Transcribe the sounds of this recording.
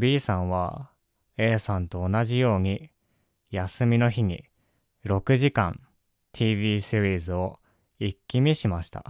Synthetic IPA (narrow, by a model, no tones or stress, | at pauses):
bʲiːsãɰ̃βa̰ | e̞ːsãnt̪o̞ːnaʑijo̞ːɲ̟i | jasɨmʲino̞çiɲ̟i | ɾo̞kɯ̟ʑikã̰n | t̪ʲʰiːβʲiːsiɾʲiːzɨo̞ | ikʲːimʲiɕimaɕi̥t̪a̰